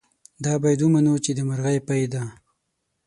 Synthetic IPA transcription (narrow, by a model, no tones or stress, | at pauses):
d̪ɑbajd̪umanot͡ʃed̪əmaɾɣajpajd̪a